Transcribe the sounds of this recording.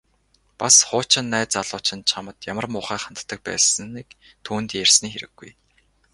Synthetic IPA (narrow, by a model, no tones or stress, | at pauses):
pasχʊːt͡ɕɪ̆nːæːt͡saɮʊːt͡ɕɪ̆nt͡ɕʰamə̆t̪jamə̆rmʊːχæːχant̪ːə̆k̚pæ̰ːsə̆nik | t̪ʰuːnt̪jærsniːxeɾɘ̆ɡ̥ːuj